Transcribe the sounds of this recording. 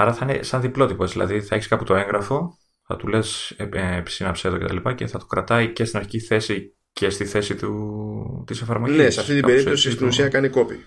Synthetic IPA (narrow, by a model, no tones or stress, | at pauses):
ɐɾɐθɐinḛsɐnðiplo̞t̪ipoezðilʔɐ̰ðiθɐe̞çiskɐput̪oe̞ŋɣɾɐfo̞ | θɐ̰t̪ule̞seepi̥sinɐpseðocet̪ɐlipɐce̞θɐt̪u̥kɾɐt̪ɐice̞st̪inɐɾçiciθe̞si | ce̞st̪iθe̞sit̪u | t̪isefɐɾmoʝneseɐft̪it̪ibe̞ɾip̪osist̪inusiɐkɐniko̞pḭ